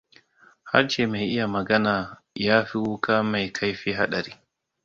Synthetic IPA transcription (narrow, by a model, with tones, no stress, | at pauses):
ha̰˦ɾʃeː˨ma˨jʔɪ˦ja˨mɐ˨ɡɐ˦naː˨ | jaː˦ɸi˦wu˦ka˦ma˨jkʰa˦jɸiː˦ɦa̰˦ɗɐ˨ɾiː˦